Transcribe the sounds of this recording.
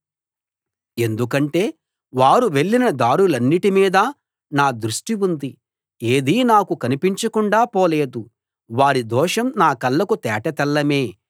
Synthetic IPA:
e̞nd̪ukɐɳʈe̞ː | ʋaːɾuʋe̞ɭːinɐd̪aːɽulɐnːiʈimiːd̪ɐ | naːd̪ɾuʂʈiund̪i | eːd̪iːnaːkukɐnipiɲt͡ʃɐkuɳɖaːpoːle̞ːd̪u | ʋaːɾid̪ɔːʂɐmnaːkɐlːɐkut̪ɛːʈɐt̪ɛlːɐme̞ː

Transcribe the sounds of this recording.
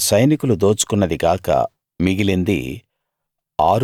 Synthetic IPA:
sɐjnikulud̪oːt͡ʃu̥kunːɐd̪iɡaːkɐ̰ | miɡilind̪ḭ | aːɾ

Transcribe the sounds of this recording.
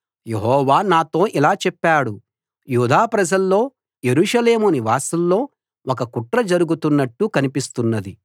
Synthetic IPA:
je̞ɦɔːʋaːnaːt̪o̞ːʔilaːt͡ʃɛpːaːɽu | juːd̪aːpɾɐd͡ʒɐlːo̞ː | je̞ɾuːʂɐle̞ːmuniʋaːsɐlːo̞ː | ʔɔkɐkuʈɾɐd͡ʒɐɾuɡut̪unːɐʈːukɐnipist̪unːɐd̪i

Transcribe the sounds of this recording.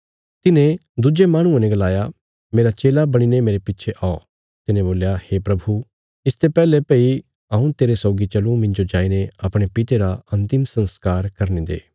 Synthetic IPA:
t̪ɪnẽd̪ud͡ʒemaːɽ̃ʊ̃ẽnẽɡɐlaːja | meːɾat͡ʃeːlabɐɽ̃inemeːɾepɪtːʃʰeʔao̰ | t̪ɪnẽboːljaheːpɾɐbʱu | ɪst̪epɛːlepɛːi | ɐːũt̪eːɾesɔːɡit͡ʃɐlũmɪ̃ɲd͡ʒod͡ʒaːineɐpɽ̃epɪt̪eɾaɐ̃nt̪ɪmsɐ̃nskaːɾkɐɾnĩd̪ḛː

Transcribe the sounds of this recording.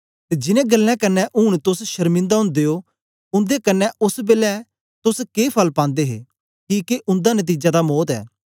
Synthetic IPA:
t̪ed͡ʒɪnɛ̃ːɡəlːɛ̃kənːɛʔʊːɽ̃t̪ʊsʃɐɾmɪ̃nd̪aɦʊ̃nd̪eːo | ʊ̃nd̪ekənːɛʊsbeːlɛ | t̪ʊskeːpʰɐlpãːnd̪eɦḛː | kiːkeʔʊ̃nd̪anɐt̪̬iːd͡ʒad̪amɔːt̪ɛ̰ː

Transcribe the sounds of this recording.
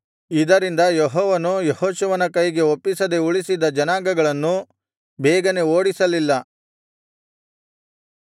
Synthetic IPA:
id̪ɐɾind̪ɐjɔɦɔːʋɐnujehoːʃuʋɐnɐkɐjɡe̞opːisɐd̪e̞uɭisid̪ɐd͡ʒɐnaːɡɐɡɐɭɐnːu | bɛːɡɐne̞oːɽisɐlilːɐ

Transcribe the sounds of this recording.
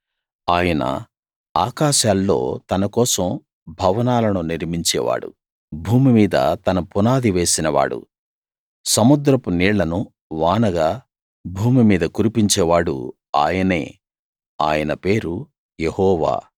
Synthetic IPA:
aːjɐnɐ̰ | aːkaːʃaːlːo̞̰ːt̪ɐnɐkɔːsɐm | bʱɐʋɐnaːlɐnuniɾmiɲt͡ʃɛ̰ːʋa̰ːɽṵ | bʱuːmimiːd̪ɐ̰t̪ɐnɐpunaːd̪iʋe̞ːsinɐʋa̰ːɽṵ | sɐmud̪ɾɐpuniːɭːɐnu | ʋaːnɐɡaː | bʱuːmimiːd̪ɐkuɾipiɲt͡ʃɛːʋaːɽṵ | a̰ːjɐne̞̰ː | a̰ːjɐnɐpe̞ːɾu | jehɔːʋa̰ː

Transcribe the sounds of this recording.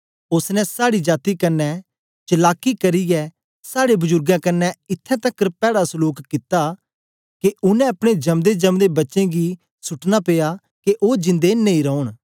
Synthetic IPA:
ʊsnɛ̃saːɽid͡ʒaːt̪ikɐnːɛ | t͡ʃɐlaːkːikɐɾijɛ | saːɽebʊzʊɾɡãːkɐnːɛɪt̪ʰːɛ̃t̪ɐkːəɾpɛːɽasəluːkkɪt̪a | keʊnɛ̃ɐpɽ̃ed͡ʒɐmd̪ed͡ʒɐmd̪ebɐtːʃẽɡi | sʊʈnapeːja | keʔoːd͡ʒɪ̃nd̪enẽĩɾɔʊɳ̃

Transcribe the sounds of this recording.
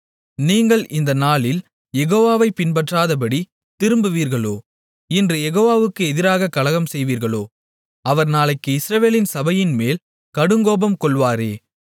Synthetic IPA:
niːŋɡɐɭʔɪnd̪ɐnaːɭɪl | jɛɣoːʋaːʋɐɪpɪnbɐʈraːðɐp̬ɐɽi | t̪ɪɾɯmbɯʋiːɾɣɐɭoː | ɪndrɯjɛɣoːʋaːʋɯkːɯɛðɪɾaːɣɐkɐlɐɣɐmsɛjʋiːɾɣɐɭoː | ɐʋɐɾnaːɭɐɪkːɯɪsɾɐʋeːlɪnsɐbɐjɪnmeːl | kɐɽɯŋɡoːbɐmkɔɭʋaːɾeː

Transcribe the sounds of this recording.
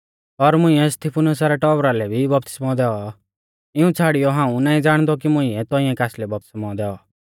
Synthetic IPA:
ɔɾmʊ̃ɪ̃ɛst̪ipʰʊnʊs̬aɾɛʈɔbɾalɛbʱibɔp̚t̪ɪ̥smaɔd̪ɛːɔ | ɪũt͡sʰaːɽɪjɔɦãːũnaːĩd͡zaːɽ̃d̪ɔk̬imʊ̃ĩɛt̪ɔĩɛ̃kaːslɛbɔp̚t̪ɪ̥smɔd̪ɛːɔ

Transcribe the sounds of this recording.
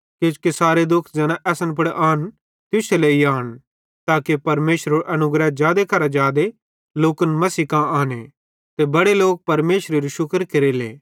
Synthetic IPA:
ket͡ʃkesaːɾed̪ʊkʰd͡ʒɛːnãʔɛːsənpʊɽʔaːn | t̪ʊseleiaːñ | t̪aːkepɐɾmeːʃɾoʔɐnʊɡɾɛd͡ʒjaːd̪ekʰɐɾad͡ʒjaːd̪e | loːkənmɐsiːkãaːne | t̪ebɐɽeloːk̚pɐɾmeːʃɾeɾiʃʊkəɾkɐɾelḛː

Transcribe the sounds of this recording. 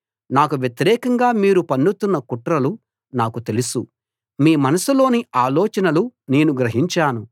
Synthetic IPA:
naːkuʋjɐt̪iɾɛːkɐŋɡaːmiːɾupɐnːut̪unːɐkuʈɾɐlu | naːkut̪e̞lusu | miːmɐnɐsulo̞ːniaːlɔːt͡ʃɐnɐlune̞ːnuɡɾɐɦiɲt͡ʃaːnu

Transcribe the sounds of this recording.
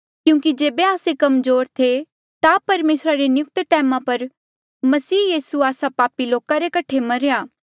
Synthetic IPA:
kjũːkid͡ʒeːbeaːsekɐmzoːɾt̪ʰe | t̪apɐɾmeːsɾaɾenɪjʊk̚t̪ʈɛːmãpɐɾ | mɐsiːjiːsuaːsapaːpiloːkaɾekɐʈʰemɐɾejaː

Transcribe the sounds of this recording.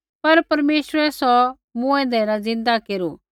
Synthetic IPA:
pɐɾpɐɾmeːsɾɛsɔ | mũɛ̃ːnd̪ɛnãzɪ̃nd̪akeːɾu

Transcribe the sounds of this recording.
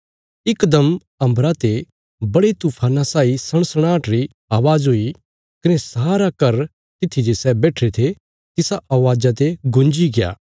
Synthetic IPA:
ɪkd̪əm | ɐ̃mbɾat̪e | bɐɽet̪uːpʰaːnãsaːisɐɽ̃səɽ̃aːʈɾi | aːʋaːzɦoːi | kɐnesaːɾakɐɾ | t̪ɪt̪ʰid͡ʒesɛbɛːʈʰɾet̪ʰe | t̪ɪsaʔɐʋaːd͡ʒat̪̬eɡʊ̃nd͡ʒiɡɪja̰ː

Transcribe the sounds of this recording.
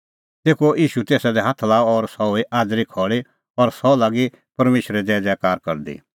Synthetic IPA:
t̪eːkoʔiːʃut̪eːsad̪ɛɦaːt̪ʰlaːɔɔɾsɔoiʔaːd̪ɾikʰɔːɭi | ɔɾsɔlaːɡi | pɐɾmeːʃɾɛd̪ɛːd͡zɛːkaːɾkɐɾd̪ḭː

